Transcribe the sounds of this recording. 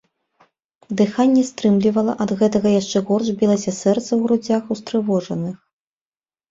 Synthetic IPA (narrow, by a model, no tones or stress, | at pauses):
d̪ɨxanʲːɛst̪ɾɨmlʲivɐlˠɐʔɐd̪ɣɛt̪ɐɣɐjaʂt͡ʂɛɣɔrʂbʲilˠɐsʲɐsɛrt̪sɐwɣɾud͡zʲaxust̪ɾɨvɔʐɐnɨx